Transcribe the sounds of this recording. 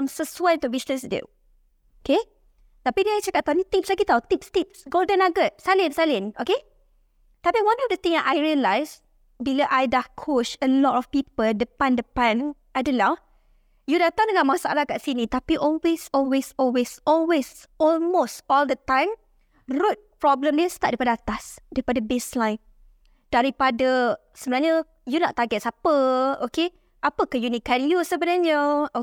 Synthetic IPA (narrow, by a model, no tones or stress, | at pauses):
ãmsəswatuwisnəsdḛ | oke | t̪apinĩajt͡ʃakaʔt̪ːanĩt̪ĩpslaɡit̪awt̪ip̚st̪ip̚ɡoldə̃naɡəʔ̚salĩnsalĩnʔoke | t̪apiwãnɔfdət̪ĩŋaʔajɹiəlajs | biləʔajdakʰot͡ʃəlɔtɔfpipəldəpãndəpãnʔajdõnlaw | judat̪ãŋdəŋãmãsa̰alakaʔsinit̪apiʔɔlwesɔlwesɔlwesɔlwes | ɔlmostɔldət̪ãjm | rut̚pɹɔblə̃mnist̪at̚daipadəat̪asdaɾipadəbeslãj̃n | d̥aɾipadə | səbənaɲə | junɔʔt̪aɡɛt̚sapəoke | ʔapəkəjunikanjusəbənaɲəo